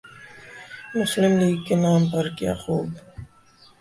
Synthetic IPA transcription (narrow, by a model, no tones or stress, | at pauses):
mʊslɪmliːɡkenaːmpɐɾkija̰ːxuːb